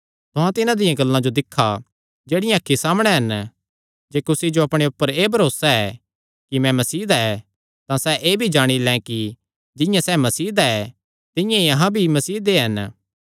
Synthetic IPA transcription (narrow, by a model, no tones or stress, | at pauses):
t̪ʊɦãt̪ɪnãd̪ɪjãɡɐlːãd͡ʒod̪ɪkʰːa | d͡ʒeːɽɪjãɐkʰːisaːməɽ̃ɛɦɐn | d͡ʒeːkʊsid͡ʒoɐpɽ̃eʊpːəɾeːbʱɐɾoːsaɛ | kimɛ̃mɐsiːd̪aɛ | t̪ãsɛʔeːbʱid͡ʒaːɽ̃ilɛ̃ki | d͡ʒɪ̃jãsɛmɐsiːd̪aɛ | t̪ɪ̃jãiɐɦãbʱimɐsiːd̪eɦɐn